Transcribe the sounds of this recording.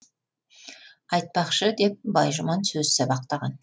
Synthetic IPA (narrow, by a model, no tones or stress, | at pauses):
ɑjt̪̚pɑqʃəd̪e̞p̚bɑjʒʊmɑnsɵzsɑbɑq̚t̪ɑʁɑ̰n